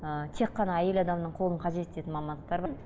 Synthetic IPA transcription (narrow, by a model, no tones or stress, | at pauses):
ət̪ʰe̞qːɑnɑæje̞lɑd̪ɑmnəɴqʰo̞lˠəɴqʰɑʒe̞t̪d̪e̞t̪ɪnmɑmɑnd̪əq̚t̪ɑɾbɑ